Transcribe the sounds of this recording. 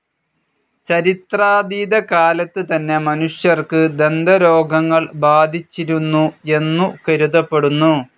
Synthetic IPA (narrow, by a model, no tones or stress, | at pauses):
t͡ɕɐɾit̪raːd̪iːd̪ɐkaːlɐt̪ːɨt̪ɐnːe̞mɐnuʂjɐrkɨd̪e̞nd̪ɐɾo̞ːɡʱɐŋːɐɭbaːd̪ʱit͡ɕːiɾunːue̞nːukɐɾuðɐpːe̞ɽunːu